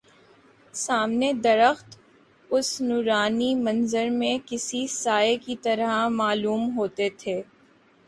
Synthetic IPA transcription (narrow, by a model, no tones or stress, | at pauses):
saːmned̪ɐɾəxt̪ | ʊsnuːɾaːnimɐ̃nzəɾmẽkɪsisaːekit̪ɐɾamaːluːmɦoːt̪et̪ʰeː